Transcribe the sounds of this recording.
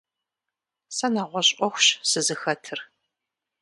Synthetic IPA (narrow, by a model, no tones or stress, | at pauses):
sɐnaːʁʷɔɕʼʷɔxʷɕsɨzɨxɐtʰɨr